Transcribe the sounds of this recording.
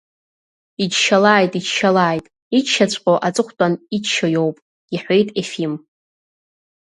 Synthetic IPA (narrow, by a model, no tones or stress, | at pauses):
id͡ʒʃalaːjtʼiʃalaːjtʼ | it͡ʃʃat͡ɕʷʼqʼoʔat͡sʼɨχʷtʼanit͡ʃʃojo̞wpʼ | iħʷejtʼefim